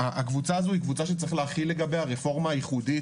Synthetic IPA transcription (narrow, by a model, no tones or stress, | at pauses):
aakvut͡saːzoikvut͡saʃet͡sʁiχleaχilːe̞ɡabejhaʁefo̞ʁmaːjiχudi